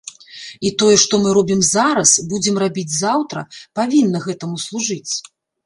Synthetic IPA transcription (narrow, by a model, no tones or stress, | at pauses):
it̪ɔjɛʂt̪ɔmɨɾɔbʲimzaɾɐsbud͡zʲɪmrabʲid͡zʲzawt̪ɾɐ̰pavʲinːɐɣɛt̪ɐmuslˠuʐɨt͡sʲ